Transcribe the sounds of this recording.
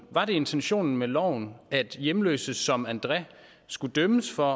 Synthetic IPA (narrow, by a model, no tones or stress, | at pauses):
ʋɑ̈ɾe̝e̝nt͡sʰenɕo̝̰ːnn̩melɒʊ̰næd̥jemlø̰ːsəsɒ̽mænd̥ʁɛ | sɡ̥ud̥øməsfɒ̽